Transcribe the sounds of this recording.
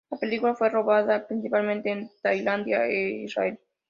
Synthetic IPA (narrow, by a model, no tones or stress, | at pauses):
lapelikulafwero̞βaðapɾinsipalmẽnt̪eːnt̪ajland̪jaeḭsra̰el